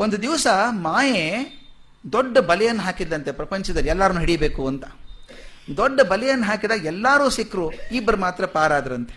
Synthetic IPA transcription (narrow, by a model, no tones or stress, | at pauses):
ond̪ud̪iʋsɐmaːje | d̪oɖːɐbɐlɛjɐnːɐɦaːkid̪ːɐnt̪e̞pɾɐpɐɲt͡ʃɐd̪ɐliɛlːaːɾɐnuːɦiɽijbe̞ːkuɐnt̪ɐ̥ | d̪oɖːɐbɐlɛjɐnːɐɦaːkid̪ɐɛlːaːɾuːsikɾuiːbːɐɾɐmaːt̪ɾɐpaːɾaːd̪ɐɾɐnt̪e̞̥